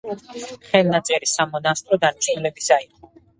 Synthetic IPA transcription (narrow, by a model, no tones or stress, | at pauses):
χɛlˠnat̪sʼɛɾisamɔnast̪ʼɾɔd̪aniʃnulɛbisaiqʼɔ